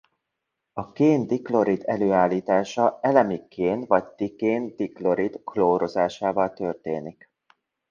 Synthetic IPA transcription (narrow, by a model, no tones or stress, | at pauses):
ɒkeːnd̪iklo̞ɾid̪ɛløːaːlːiːt̪aːʃɒɛlɛmikʰːeːnvɒɟt̪ikeːnd̪iklo̞ɾid̪kloːɾo̞zaːʃaːvɒlt̪ørt̪eːnik